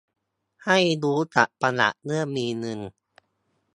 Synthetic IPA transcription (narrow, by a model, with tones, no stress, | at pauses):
ha˥˩jduː˦˥t͡ɕa̰˨˩ʔpa˧la̰˨˩ʔnɯ˥˩ɐmiː˧nɯ˧n